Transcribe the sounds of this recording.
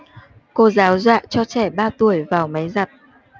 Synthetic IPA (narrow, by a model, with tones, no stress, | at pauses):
ko˧zaː˨˦wzwa̰ː˧˨t͡ɕɔ˧t͡ɕɛ˧˩ɓaː˧t̪u˧˩əjvaː˨˩wma˨˦jza˨˩t̚